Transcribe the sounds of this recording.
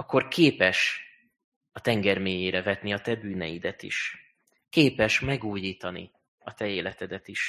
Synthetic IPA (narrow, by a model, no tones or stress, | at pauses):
ɒkːo̞rkʰeːpɛʃ | ɒt̪ɛŋɡɛrmeːjeːɾɛvɛt̪niɒt̪ɛbyːnɛjid̪ɛt̪ḭʃ | keːpɛʃmɛɡuːjiːt̪ɒnḭ | ɒt̪ɛeːlɛt̪ɛd̪ɛt̪iʃ